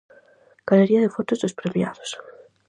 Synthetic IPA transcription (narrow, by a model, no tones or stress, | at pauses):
kaleɾiaðefot̪ozðespɾemja̰ðos